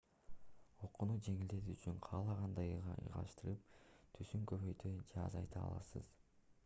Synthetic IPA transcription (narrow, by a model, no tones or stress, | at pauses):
o̞qːunud͡ʒe̞ŋild̪e̞t̪iːt͡ʃyŋqʰɑːlˠɑʁɑnd̪ɑjʁɑ̰ɯ̰jʁɑ̰ʃt̪ɯɾɯp̚t̪ʰysyŋkøβøjt̪ʰød͡ʒeɑ̰zɑ̰jt̪ɑ̰ːlˠɑ̰sɯ̰z̥